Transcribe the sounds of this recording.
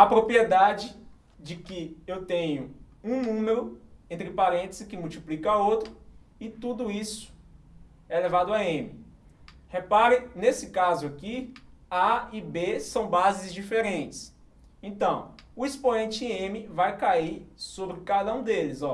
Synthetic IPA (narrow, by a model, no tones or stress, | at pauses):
ɐpɾopɾied̪ad͡ʒɪ | d͡ʒɪkɪewt̪ẽɲʊ | ũnũmeɾʊẽnt̪ɾɪpaɾẽt̪ezɪkɪmuwt͡ʃiplikɐowt̪ɾʊ | ɪt̪ud̪ʊisʊ̥ | ɛlevad̪ʊaẽmɪ | hepaɾɪnesɪkazʊakiaibesɐ̃w̃bazɪzd͡ʒifeɾẽnt͡ʃɪ̥s | ẽnt̪ɐ̃w̃ʊispõẽnt͡ʃɪ̃ẽmɪvajkaiɾsobɾɪkad̪ɐũd̪elɪzɔ